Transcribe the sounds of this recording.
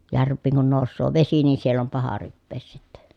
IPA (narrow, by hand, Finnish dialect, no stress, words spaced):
jærʋˑiːŋ kun noˑusːoː ʋesi niː sielː om pɑhɑ rypːeːs sitːe